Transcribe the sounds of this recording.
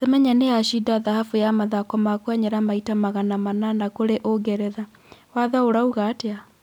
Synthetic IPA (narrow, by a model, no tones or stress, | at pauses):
ðemɛɲaneaʃidaðahafujamaðakɔmakwaɲeɾamaitamaɣanamananakoɾeʔoɡɛɾɛða | waðaoɾauɣatea